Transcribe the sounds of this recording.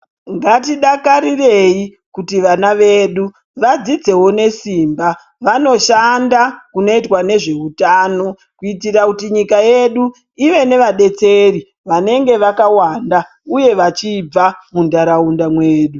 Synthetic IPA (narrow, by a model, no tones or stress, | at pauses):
ŋɡatiɗakaɾire̞i | kutiʋanaʋe̞ːɗu | ʋad͡zid͡ze̞wo̞ne̞siːmba | ʋano̞ʃandakuno̞itwane̞ʐe̞utaːno̞ | kuitirakutiɲikaje̞ɗu | iʋe̞ne̞ʋaɗe̞t͡se̞ri | ʋane̞ŋɡe̞ʋakawanda | uje̞ʋat͡ʃib͡vamundaɾaundamweːɗu